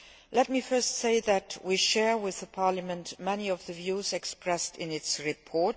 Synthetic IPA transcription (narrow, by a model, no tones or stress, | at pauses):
lɛt̚mifɜ˞stseɪðɨtʰwiʃɛɹwɪðəpʰɑɹləmə̃ntmɛniʌvðɨvjuzɛkspɹɛstɪ̃nɪtsɹipʰɔɹt̚